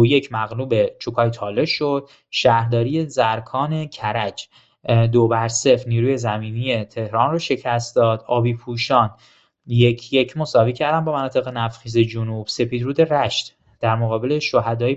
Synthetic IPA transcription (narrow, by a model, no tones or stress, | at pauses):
oje̞cʰmæɣluːbe̞t͡ʃʰukʰɒːjt̪ʰɒːle̞ʃod̪̥ | ʃæhɾd̪ɒːɾije̞zæɾkʰɒːne̞cʰæɾæd͡ʒ | d̪obæɾse̞fniːɾuːje̞zæmiːnijet̪ʰe̞hɾɒːnrɒːʃe̞cʰæst̪d̪ɒːd̪ɒːbiːpʰuʃɒːn | jecʰje̞cʰmo̞sɒːviːcʰæɾd̪ænbɒːmænɒːt̪ʰe̞ɣe̞næfχiːze̞d͡ʒonub̥se̞piːd̪ɾuːd̪e̞ɾæʃt̪ | d̪̥æɾmoɣɒːbe̞leʃoɦæd̪ɒːi